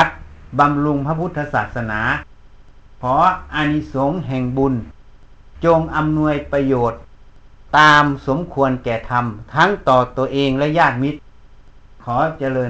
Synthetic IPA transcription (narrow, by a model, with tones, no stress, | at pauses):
a˧t̪̚ba˧mlu˧ŋpʰa˧pʰu˦˥t̪ʰːa˧saː˨˩t̪̚sa˧naː˩˦ | pʰɔː˨˦ʔa˧ni˧so˨˦ŋɦɛ˨˩ŋbu˧n | t͡ɕo˧ŋʔa˧mnu˧əjpa˧joː˨˩t̪̚ː | aː˧mso˨˦mkʰu˧ənkɛː˨˩t̪ʰa˧mt̪ʰa˦˥ŋt̪ɔː˨˩t̪u˧əʔeː˧ŋlɛ˦˧˥jaː˥˩t̪̚mi˧˥t̪̚ | kʰɔː˨˦t͡ɕa˧lɤː˧